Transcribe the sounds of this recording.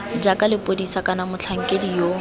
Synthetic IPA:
d͡ʒakalɪpodisakʼanamʊt͡ɬʰaŋ̩kʼedijo

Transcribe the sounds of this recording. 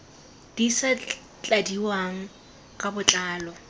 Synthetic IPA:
d̥isa | t͡ɬʼadiwaŋ̩ | kʼabʊt͡ɬʼaːlɔ

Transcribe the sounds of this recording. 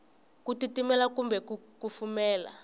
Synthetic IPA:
kutitimɛlakumbʱɛkukufumɛːla̰

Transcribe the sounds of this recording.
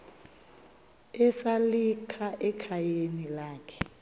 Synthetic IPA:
ɛsalikʰaʔɛkʰajenilaːkʰɛ̥

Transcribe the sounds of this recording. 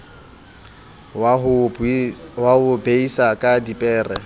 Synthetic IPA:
waʊbeisakʼadipʼɛːrɛ̰

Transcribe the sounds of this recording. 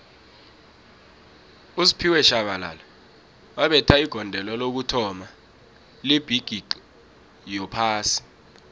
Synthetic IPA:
usi̥pʰiwɛʃaɓala̰la | waɓɛtʰaiɡ̥ʱɔndʱɛlɔlok̬utʰɔma | leb̥ʱiɡ̥ʱik | jɔpʰaːsi̥

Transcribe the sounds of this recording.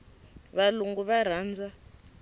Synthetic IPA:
βaluŋɡuβaɾ̤aːnd͡za

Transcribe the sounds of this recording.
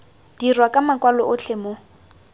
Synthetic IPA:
d̥irwakʼamakwalɔʔʊt͡ɬʰɛmo

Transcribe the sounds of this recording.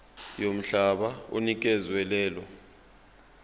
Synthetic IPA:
jom̩ɬaɓao̰nik̬ɛzwɛlɛːlɔ

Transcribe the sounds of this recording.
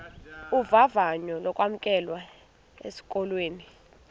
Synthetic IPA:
uvavaɲɔlɔkʼwam̩kʼɛlwa | ḛsi̥kʼɔlweːni

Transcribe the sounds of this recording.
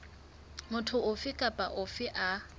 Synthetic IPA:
mʊtʰʊʔʊfɪkʼapʼa̰ʔʊfɪʔa

